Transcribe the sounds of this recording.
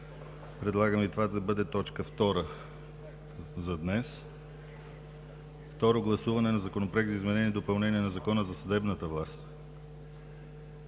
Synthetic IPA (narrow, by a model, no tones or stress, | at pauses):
pɾɛd̪lˠaɡəmit̪ovad̪ɐbɤd̪ɛt̪ɔt͡ʃkəft̪ɔɾə | zɐd̪nɛs | ft̪ɔɾoɡlˠɐsuvɐnɛnɐzɐkonopɾɛɡzɐizmɛnɛniɛd̪opɐlˠnɛniɛnɐzɐkɔnəzɐsɐd̪ɛbnət̪əvlˠast̪